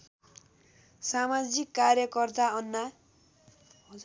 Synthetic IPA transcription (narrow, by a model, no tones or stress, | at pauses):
samad͡zikːarjʌkʌrt̪aʌnːa